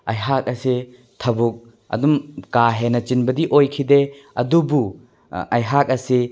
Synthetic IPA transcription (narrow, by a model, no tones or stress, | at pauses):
ɐjɦak̚ɐse | tʰɐbuk̚ | ɐ̰dumkaɦenɐt͡ʃinbɐdiʔojkʰide | ɐ̰dubu | ɐjɦak̚ɐse